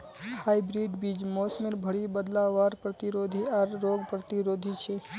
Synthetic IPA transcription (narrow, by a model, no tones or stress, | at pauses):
haːibɾiɖbid͡ʒmoːsmeɾbʱəɽibəd̪laʋaːɾpɾət̪iɾoːd̪ʱiaɾːoːɡpɾət̪iɾoːd̪ʱit͡ʃʰe